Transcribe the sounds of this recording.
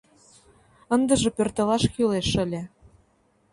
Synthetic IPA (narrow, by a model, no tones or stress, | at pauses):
ɤ̆nd̪ɤ̆ʒɤ̆pørt̪ɤ̆lɑʃkyleʃɘ̆lʲĕ